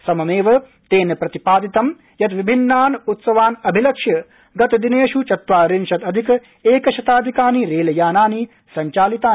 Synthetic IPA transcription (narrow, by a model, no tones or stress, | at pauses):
sɐmɐmeːʋɐ | t̪eːnɐpɾɐt̪ipaːd̪it̪ɐm | jɐt̪ʋibʱinːaːnut̪sɐʋaːnɐbʱilɐkʂjɐ | ɡɐt̪ɐd̪ineːʃut͡ʃɐt̪ʋaːɾinʃɐt̪ɐd̪ʱikɐ | eːkɐʃɐt̪aːd̪ʱikaːniɾeːlɐjaːnaːni | sɐɲt͡ʃaːlit̪aː